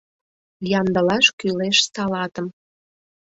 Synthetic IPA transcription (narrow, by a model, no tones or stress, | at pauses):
jɑnd̪ə̆lɑʃkyleʃsɑlɑt̪əm